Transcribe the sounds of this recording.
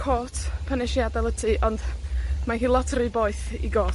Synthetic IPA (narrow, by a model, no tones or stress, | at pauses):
kʰoːtʰpʰənɪʃjadɛlˠətʰiʔɔndmanɦiːlˠɔtʰrɨboːɨθḭɡoː